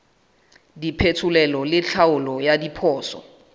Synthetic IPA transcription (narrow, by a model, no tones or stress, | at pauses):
dipʰetʰʊlɛlɔlɪt͡ɬʰaʊlɔjadipʰɔːsɔ̰